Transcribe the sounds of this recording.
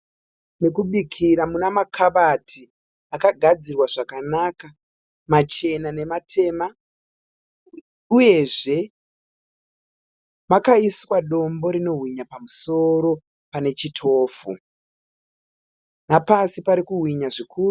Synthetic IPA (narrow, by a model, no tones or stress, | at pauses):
ne̞kuɓikʰiɾamunamakʰaɓatʰi | akaɡʱad͡zirwaʐakanaka | mat͡ʃe̞nane̞matʰe̞ma | uje̞ʐe̞ | makaiswaɗo̞mbo̞ɾino̞ɦwiɲapamuso̞ɾo̞ | pane̞t͡ʃitʰo̞ːfṵ | napasipaɾikuɦwiɲaʐikʰuːu